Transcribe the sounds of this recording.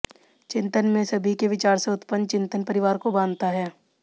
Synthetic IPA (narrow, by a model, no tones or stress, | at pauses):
t͡ʃɪ̃nt̪ənmẽsɐbʱikeʋɪt͡ʃaːɾseʊt̪pən̚t͡ʃɪ̃nt̪ənpɐɾɪʋaːɾkobãːnd̪t̪aɦɛː